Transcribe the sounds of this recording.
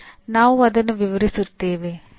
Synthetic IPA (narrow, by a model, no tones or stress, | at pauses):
naːʋɐd̪ɐnːuʋiʋɐɾisɯɾt̪ːeːʋeː